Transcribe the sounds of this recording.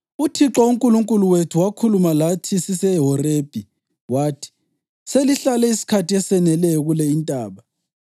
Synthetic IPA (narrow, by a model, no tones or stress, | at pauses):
utʰiǁɔuŋkʼuluŋkʼuluwetʰuwakʰulumalatʰisisɛɦɔreb̥ʱʼi | waːtʰi̥ | seliɬalɛisi̥kʰatʰiɛsɛnɛlɛjɔɣulɛintʼaːɓa